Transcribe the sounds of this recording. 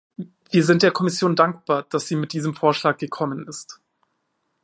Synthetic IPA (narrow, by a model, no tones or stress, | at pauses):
v̥iːɐzɪnt̚d̥eːɐkʰɔmɪsjoːndaŋk̚b̥aːɐd̥asz̥iːmɪt̚d̥iːzəmfoːɐʃlaːk̚ɡ̥əkʰɔmənɪst